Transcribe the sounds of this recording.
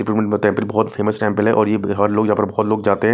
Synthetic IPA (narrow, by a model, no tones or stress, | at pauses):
ɪpɾuːʈmẽɳʈmẽʈɛ̃ːmpəlbɔːt̪fʰeːməsʈɛ̃ːmpəlɦɛʔɔːɾjeɦaɾloːɡjɐɦãːpəɾbɔːɔt̪loːɡd͡ʒaːt̪eɦɛ̃